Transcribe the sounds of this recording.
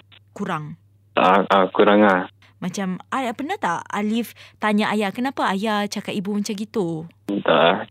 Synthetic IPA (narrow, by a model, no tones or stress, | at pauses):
kuɾaŋ | a̰aʔakuɾaŋa | mat͡ʃamʔajapənat̪aʔa̰lift̪aɲaʔajaʔkənapaajat͡ʃakat̪ibumat͡ʃamɡit̪u | nt̪a̰a